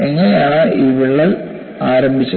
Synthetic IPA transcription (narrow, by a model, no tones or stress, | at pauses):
eŋːɐnejaːɳɨʔiːʋiɭːɐl | aːɾɐmbʱit͡ɕːɐ